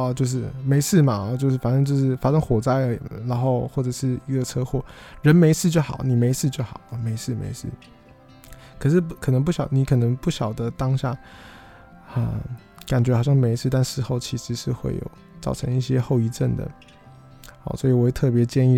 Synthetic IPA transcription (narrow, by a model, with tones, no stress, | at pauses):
t͡ɕjo˥˧ʊʂ̬ɻ̩˥˩me˧˥ɪʂɻ̩˥˩ma˨˧t͡ɕjo˥˧ʊʂɻ̩˥˩fa˨˩ʂə˥ŋt͡ɕjo˥˧ʊʂɻ̩˥˩fa˥ʂə˥˧ŋxwɔ˨˩t͡sa˥˩ɪə˧˨na˧˥nxo˥˧ʊxwɔ˥˩ʈ͡ʂɤ˨˩ʂɻ̩˥˩i˧˥ɡə˧ʈ͡ʂʰɤ˥xwɔ˥˩ɻə˧˥nme˧˥ɪʂɻ̩˥˧t͡ɕjo˥˩xɑ̰˨˦ʊ˦ni˨˩me˧˥ɪʂɻ̩˥˧t͡ɕjo˥˩ʊxɑ˨˩ʊə˦me˧˥ɪʂɻ̩˥˩mḛ˧˥ɪʂɻ̩˥˩ | kʰɤ˨˩ʂɻ̩˥˩kʰɤ˨˩nə˧˥ŋp̬u˥˩ɕjɑ˨˩˦ʊni˧˥kʰɤ˨˩nə˧˦˥ŋpu˥˩ɕjɑ˨˩ʊd̪ə˦t̪ɑ˥ŋɕja̰˥˩ | ə̰˥˧ | ka˨˩nt͡ɕɥɛ˧˥ɑ˨˩ɕjɑ˥˩ŋme˧˥ɪʂʰɻ̩˥˧t̪a˥˧nʂɻ̩˥˧xo˥˧ʊt͡ɕʰi˧˥ʂɻ̩˧˥ʂɻ̩˥˧xwḛ˥˩ɪjo̰˨˩ʊ | t͡sɑ˥˩ʊʈ͡ʂʰɤ˧˥ŋi˥˩ɕjɛ˥xo˥˩ʊi˧˥ʈ͡ʂə˥˩nd̪ə̰˩ | ɑ̰˥˧˩swɔ˧˥i˨˩wɔ˨˩we˥˧t̪ʰɤ˥˩p̬jɛ˧˥t͡ɕjɛ˥˧ni˥˩